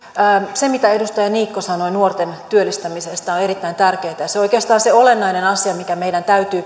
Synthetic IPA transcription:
semit̪æe̞dust̪ɑjɑniːkːosɑno̞jnuort̪e̞nt̪yølːist̪æmisest̪æoneɾit̪ːæint̪ærke̞ːt̪æjɑseojkeːst̪ɑːnseo̞lenːɑinenɑsiɑmikæmejdænt̪æyt̪yː

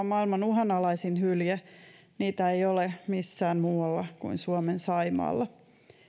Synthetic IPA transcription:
mɑilmɑnuɦɑnɑlɑisinhyljæ | niːt̪æejolemisːæːnmuːɑlːɑkuinsuomensɑimɑ̰ːlːɑ

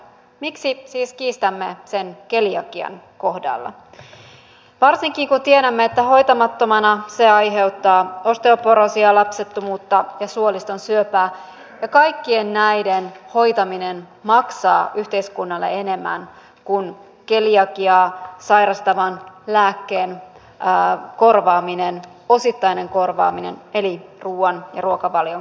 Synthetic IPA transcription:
miksisiːskiːst̪æmːe̞se̞nke̞liɑk̟iɑ̰n | ko̞hdɑ̰lːɑ̰ | ʋɑrsiŋkiŋkunt̪ieɾæmːeet̪ːæho̞jt̪ɑmɑt̪ːo̞mɑnɑse̞ɑjɦe̞wt̪ːɑːo̞st̪eopoɾosiɑlɑpse̞t̪ːumuːt̪ːɑjɑsuolist̪o̞nsyøpæː | jɑkɑjkːie̞nːæjdenho̞jt̪ɑminen | mɑksɑ̰ːʔyht̪e̞iskunːɑlːḛe̞ne̞mːæ̰n | kun | keljɑkiɑːsɑjɾɑst̪ɑʋɑnlæːkːe̞ːnː | ko̞rʋɑːminen | o̞sit̪ːɑine̞ŋko̞rʋɑ̰ːminḛne̞liruːɑnjɑ̰ruokɑʋɑljo

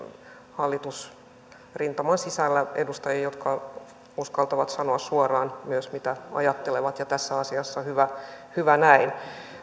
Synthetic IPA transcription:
hɑlːit̪us | rint̪ɑmɑnsisælːæedust̪ɑjɑjot̪kɑ | uskɑlt̪ɑʋɑt̪sɑnoɑssuorɑːnmyøsmit̪æɑ̰jɑt̪ːeleʋɑt̪jɑt̪æsːæɑsiɑsːɑhyʋæhyʋænæin

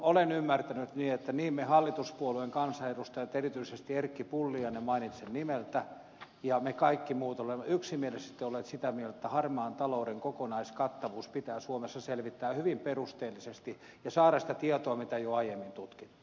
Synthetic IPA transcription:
olenymːært̪ænyt̪niːet̪ːæniːmmehɑlːit̪uspuolueŋkɑnsɑerust̪ɑet̪ːerit̪yisest̪ierkːipulːiɑnemɑinit̪sennimelt̪æ | jɑmekɑikːimuːt̪olemːyksimielestːet̪ːeolet̪sit̪æmielt̪et̪ːæhɑrmɑːnt̪ɑlouɾeŋkokonɑiskɑt̪ːɑʋuːspit̪æːsuomesːɑselʋit̪ːæːhyʋimperust̪eːlːisest̪i | jɑsɑːɾɑsi̥t̪æt̪iet̪oɑmit̪æjoɑijemːint̪ut̪ki̥t̪ːu̥

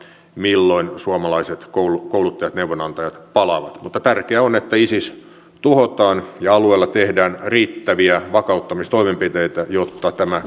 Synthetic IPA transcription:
milːoinsuomɑlɑiset̪kolukoulut̪ːɑjɑt̪neuʋonɑnt̪ɑjɑt̪pɑlɑʋɑt̪mut̪ːɑt̪ærkeæonet̪ːæisis | t̪uhot̪ɑːnjɑɑlueːlːɑt̪ehdæːnriːt̪ːæʋiæʋɑkɑut̪ːɑmist̪oimempit̪eit̪æjot̪ːɑt̪æmæ

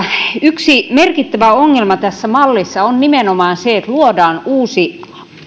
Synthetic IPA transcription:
yksimerkit̪ːæʋæoŋːelmɑt̪æsːæmɑlːisːɑonnimenomɑːnseet̪luodɑːnuːsi

